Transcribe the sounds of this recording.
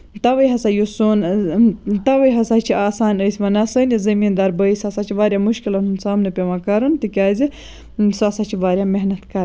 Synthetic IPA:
t̪ɐʋɐjɦɐsajusoːn | t̪ɐʋɐjɦɐsat͡ʃʰiʔaːsaːnəjsʲʋɐnɐsənizɐmiːnd̪ɐɾbɐisʲɐsat͡ʃʰiʋaːɾʲjamuʃkilɐnunsaːmnɐpʲeʋakɐɾunt̪ikʲaːzi | sasat͡ʃʰiʋaːɾʲjameɦnɐt̪kɐɾ

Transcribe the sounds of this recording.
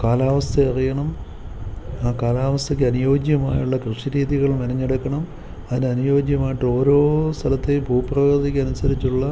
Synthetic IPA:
kaːlaːʋɐst̪ʰɐɐrijɐɳɐm | aːkaːlaːʋɐst̪ʰɐk̬ʲːɨɐnujo̞ːɡjɐma̰ːjuɭːɐkrɨʂiɾiːðiɣɐɭmɐnɐɲːeɽɐkːɐɳɐm | ɐðinɐnujo̞ːɡjɐmaːjiʈːɨo̞ːɾo̞ːst̪ʰɐlɐt̪ːebʱuːprɐʋɐrt̪ikʲːɐnusɐɾit͡ɕːuɭːɐ

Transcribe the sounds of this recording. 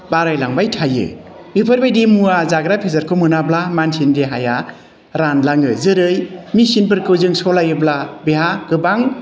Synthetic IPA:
baɾajlaŋbajtʰajɯ̰ | mɯpʰɯɾbajdimuazaɡɾapʰezaɾkʰomɯnablamansindeɦaja | ɾanlaŋɯzɯɾɯjmisinp̬ɯɾkɯwzɯŋsɔlajɯblabeɦaɡ̥ɯbaŋ

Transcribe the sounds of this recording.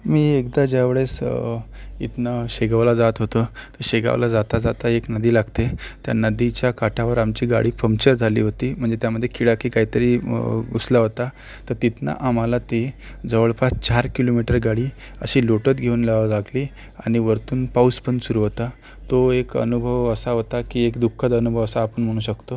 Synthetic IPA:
miːekd̪ad͡ʑaʋeɭes | ḭt̪naɕeɡaʋlad͡zat̪ɦot̪ət̪əɾɕeɡa̰ʋlad͡zat̪ad͡zat̪aeknəd̪iːlaɡt̪et̪ja̰nəd̪it͡ɕjakaʈʰaʋəɾamt͡ɕiːɡa̰ɽiːpəmt͡ɕəɾd͡zʱalḭːɦot̪iːm̤əɳd͡zet̪jaməd̪ʱːjekiɽakiːkaɦiːt̪əɾiːɡuslaɦot̪a | t̪əɾt̪it̪na̰ʔamalat̪i | d͡zəʋəɭpat͡st͡ɕaɾkilomiʈəɾɡaɽiː | ə̰ɕiːloʈət̪ɡʱeuːnlalaɡliː | aɽ̃iʋəɾt̪uːnpawspənsuɾuɦot̪a | t̪oekə̰nubʱəʋəsaɦot̪akiːekd̪ukʰːəd̪ənubʱəʋəsaːpəɳm̤əɽ̃uːɕəkt̪o

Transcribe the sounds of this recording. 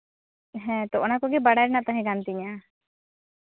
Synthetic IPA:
ɦɛ̃t̪ɔʔɔnakɔɡibaɽajɾɛnat̪aɦɛ̃ɡant̪iɲa

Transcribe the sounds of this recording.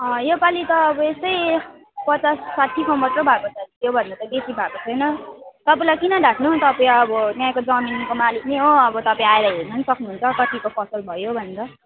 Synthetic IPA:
ʌ̃jepalit̪ʌːbʌest̪ʌj | pʌt͡sasːaʈʰːikʰʌ̃bʌʈrobʱakot͡sʰʌit̪jobʱʌnːet̪ʌɡesibʱakot͡sʰʌjnʌt̪ʌpaĩlajkinʌɖʱaʈnut̪ʌpaĩʌbʌt̪jãkod͡zʌminkomalikniɦoʌbʌt̪ʌpaĩaelajɦeɾnʌnsʌknuɦunt͡sʰʌkʌt̪ikopʰʌsʌlbʱʌjobʱʌneɾʌ

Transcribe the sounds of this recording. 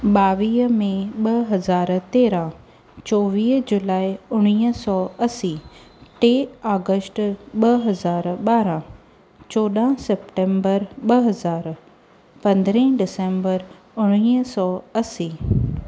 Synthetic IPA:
ɓaːʋiːɦmẽɓɐɦɐzaːɾt̪eːɾã | t͡ɕɔːʋiːɦd͡ʑʊlaːiʊɽ̃iːsɔːɐsiʈeːaːɡəsʈɓɐɦɐzaːɾɓaːɾã | t͡ɕɔːɗ̪ãsɛpʈẽːmbəɾɓɐɦɐzaːɾ | pɐ̃nd̪ɾẽɖɪsẽmbəɾ | ʊɽ̃ĩːsɔːɐsiː

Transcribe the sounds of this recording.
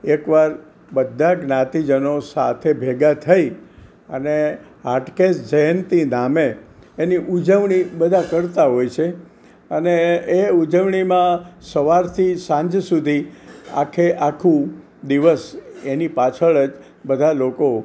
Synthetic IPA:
ekʋaɾ | bəd̪ʱːaɡnãt̪id͡ʒənosa̰t̪ʰebʱeɡat̪ʰəj | ə̰neɦaʈkesd͡ʒəjənt̪inameːniʔud͡ʒəʋɳibəd̪ʱakəɾt̪aɦojt͡ʃʰe | əneeud͡ʒəʋɳ̃imãsəʋaɾt̪ʰisãɲd͡ʒsud̪ʱia̰kʰeʔakʰũ | d̪iʋəsenipat͡ʃʰəɭəd͡ʒ | bəd̪ʱaloko

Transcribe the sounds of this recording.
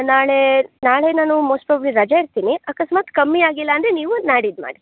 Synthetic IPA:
naːɭenaːɭe̞naːnumoːsʈpɾaːbɐbliɾɐd͡ʒaiɾt̪iːniɐkɐsmaːt̪kɐmːiaːɡilːɐːnd̪ɾe̞niːʋunaːɽid̪ma̰ːɽi

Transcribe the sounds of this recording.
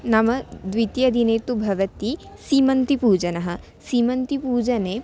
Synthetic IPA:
nɐmɐd̪ʋit̪jɐd̪ineːt̪ubʱɐʋɐt̪isiːmɐnt̪ipuːd͡ʒɐnɐɦɐ̆ | siːmɐnt̪ipuːd͡ʒɐne

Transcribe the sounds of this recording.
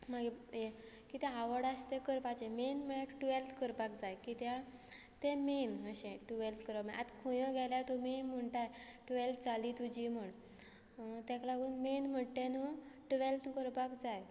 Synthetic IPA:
maɡee | kit̪eaʋəɽast̪ekəɾpat͡ɕẽmenmeʈʈʋelt̪ʰkəɾpakd͡zajkit̪ja | t̪emenəɕẽʈuʋelt̪ʰkəɾəmãa̰t̪kʰujɔ̃ɡɛlat̪umenm̤əɳʈ̪ajʈʋelt̪ʰt͡salit̪ud͡ʑim̤əɳ | t̪ɛ̃klaɡuːnmenm̤əʈ̪ẽnuʈʋelt̪ʰkəɾpakd͡zaj

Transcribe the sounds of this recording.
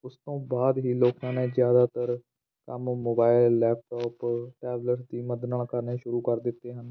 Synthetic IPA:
ʊst̪õːbaːd̪ɦiːloːkãːneːzjaːd̪aːt̪əɾ | kəmmoːbaːɪlːɛːp̚ʈɔːpʈɛːbləɾd̪iːməd̪nãːkəɾneːʃʊɾuːkəɾd̪ɪt̪ːeːɦən

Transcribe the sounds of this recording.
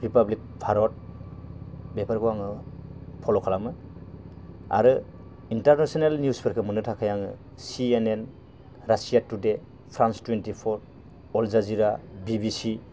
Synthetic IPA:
ɾipablik̚pʰaɾɔt̚ | bepʰaɾɡuwaŋɯpʰɔlɔkʰalamɯ | a̰ɾɯ | intaɾnasɔnelniuspʰɯɾkʰɯmɯnɯtʰakʰajaŋɯ̰ | sienen | ɾasijatude | pʰɾanstwentipʰɔɾ | ɔlzaziɾabibisi

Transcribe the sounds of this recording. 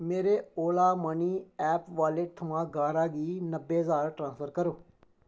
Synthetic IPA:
meːɾeːoːlaːməniːɛːpʋaːleːʈ̚t̪ʰəmãːɡaːɾaːɡiːnəbːeːɦəzaːɾʈɾãːnsfʰəɾkəɾoː

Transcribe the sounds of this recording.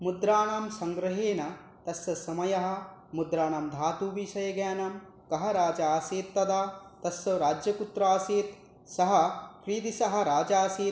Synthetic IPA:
mud̪ɾaːɳaːmsɐŋɡɾɐɦeːnɐ | t̪ɐsːɐsɐmɐjɐɦɐ̆ | mud̪ɾaːɳaːmd̪ʱaːt̪uːʋiːʃɐjɐɡjaːnam | kɐɦɐɾaːd͡ʒaːseːt̪ːɐd̪aːt̪ɐsɐɾaːd͡ʒjɐkut̪ɾaːseːt̪ | sɐɦɐ̆kɾiːt̪isɐɦɐ̆ɾaːd͡ʒaːseː

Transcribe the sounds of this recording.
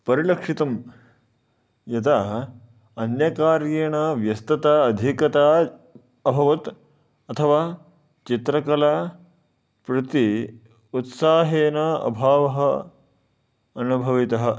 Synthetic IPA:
pɐɾilɐkʂit̪ɐm | jɐt̪a | ɐnjɐkaːɾjeɐɳɐʋjɐst̪ɐt̪aːd̪ʱikɐt̪aː | ɐbʱɐʋɐt̪ | ɐt̪ʰɐʋaː | t͡ʃit̪ɾɐkɐlaː | pɾɐt̪i | ut̪saːɦeːnɐɐ̰bʱaːʋɐɦɐ | ɐnubʱɐʋit̪ɐɦɐ̆

